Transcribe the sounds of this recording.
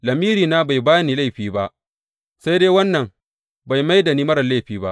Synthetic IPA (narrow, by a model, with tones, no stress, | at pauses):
lɐ˨miː˦ɾiː˨naː˦ba˨jbaː˦niː˨la˦jɸiː˦ba˦ʔ | sa˦jdeː˦wɐ˦nːɐ˨m | ba˨jma˦jda˨niː˦mɐ˦ɾɐ˨la˦jɸiː˦ba̰˦ʔ